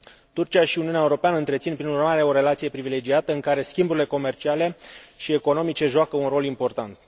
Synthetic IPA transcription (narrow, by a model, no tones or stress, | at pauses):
t̪urt͡ʃiaʃiuniunʲaeuɾo̞peanəɨnt̪ɾet̪sinpɾinurmaɾe̞o̞ɾe̞lat̪sije̞pɾivile̞d͡ʒiat̪əɨŋkaɾe̞skʲimbuɾile̞ko̞me̞rt͡ʃiale̞ʃie̞ko̞no̞mit͡ʃe̞ʒuakəunro̞limpo̞rt̪ant̪̚